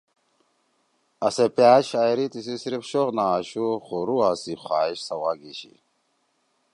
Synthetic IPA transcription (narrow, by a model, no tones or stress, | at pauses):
ɐsepjaːɕaːjɾit̪is̬isiɾifɕoʁnaːɕuχoɾuasixwaːiɕsɐwaɡiɕḭ